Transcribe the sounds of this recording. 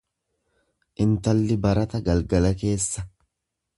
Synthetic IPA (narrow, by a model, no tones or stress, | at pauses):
ʔɪnt̪ɐlːɪbɐɾɐt̪ɐɡɐlɡɐlɐke̞ːsːɐ